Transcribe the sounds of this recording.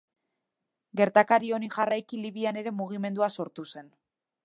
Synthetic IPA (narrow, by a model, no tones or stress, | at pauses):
ɡe̞ɾt̪akaɾio̞niʝarajkiliβiane̞ɾe̞muɣ̞ime̞nd̪uaso̞ɾt̪use̞n